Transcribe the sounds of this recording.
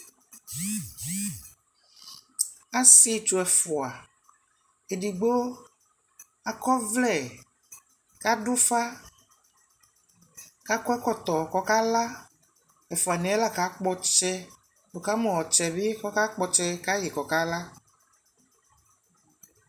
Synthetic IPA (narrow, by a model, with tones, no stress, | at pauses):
a˦si˦˨t͡ʃu˨ɛ˨fɔ˨a˨ | e˨ɖi˨ɡ͡bo˦ | a˨kɔ˦vlɛ˨ | ka˦ɖo˦fa˦ | ka˦kɔ˦ɛ˦kɔ˦t̪ɔ˨kɔ˦ka˦la˦ | ɛ˨fɔ˨a˨nĩ˨ɛ˦la˦ka˨˦k͡pɔ˦t͡ʃɛ˦ | do˨ka˦mɔ̃˨wɔ˨t͡ʃɛ˨be˦kɔ˦ka˦k͡pɔ˦t͡ʃɛ˦ka˦je˨kɔ˨ka˦la˦